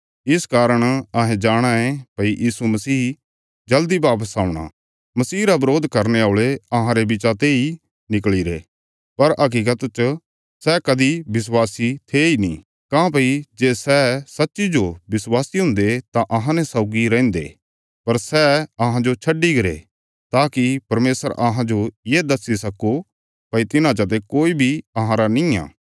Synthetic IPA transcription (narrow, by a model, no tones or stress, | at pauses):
ɪskaːɾəɽ̃ɐɦẽd͡ʒaːɽ̃aẽpɐijʔiːsumɐsiː | d͡ʒɐld̪ibaːpəsaːũɽ̃a̰ | mɐsiːɾabɾoːd̪ʱkɐɾneaːɭeɐɦãɾebɪt͡ʃat̪ei | nɪkɭiɾḛː | pɐɾɐk̬iːk̬ət̪t͡ʃ | sɛkɐd̪ibɪs̬waːsit̪ʰeinḭ̃ | kãːpɐid͡ʒeːsɛsɐtːʃid͡ʒobɪswaːsiɦʊ̃nd̪et̪aʔɐɦãnɛsaʊɡiɾɛ̃ːnd̪ḛ | pɐɾsɛɐɦãd͡ʒot͡ʃʰɐɖiɡɐɾḛ | t̪aːkipɐɾmeːsəɾʔɐɦãd͡ʒojeːd̪ɐsːisɐkːo | pɐit̪ɪnãt͡ʃɐt̪̬ekoːibʱiɐɦãɾanɪ̃ja̰ː